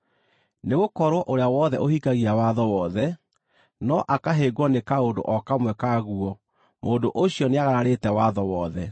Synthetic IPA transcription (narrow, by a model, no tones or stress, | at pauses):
neɣokɔɾwɔʔoɾeawɔðɛʔohikaɣiawaðɔwɔðɛ | nɔʔakaɦeɡwɔnekaodo̰ʔɔkamwɛkaɣuɔ | moːndoʔoɕiɔneaɣaɾaɾetɛwaðɔwɔðɛ